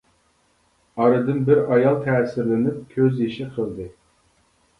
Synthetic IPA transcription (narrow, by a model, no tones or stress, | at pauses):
ɑɾɨd̪ɨnbɪɾɑjɑlˠt̪ʰɛːsɪɾlɪnɪp̚kʲʰøzjiʃɪqʰəlˠd̪ɨ